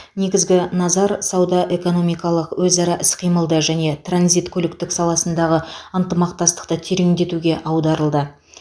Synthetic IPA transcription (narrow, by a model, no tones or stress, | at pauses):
ne̞ɡʲɪzɡʲɪnɑzɑɾsɑwd̪ɑʔe̞ko̞no̞mijkɑlˠəqwɵzɑɾɑʔɪsqʰijməlˠd̪əʒæne̞t̪ranzijt̪kʰʲɵlɪkt̪ɪksɑlˠɑsənd̪ɑʁəənt̪əmɑqt̪ɑst̪ə̥q̚t̪ət̪ʰeɾeŋd̪e̞t̪uɡʲe̞ʔɑwd̪ɑɾəlˠd̪ə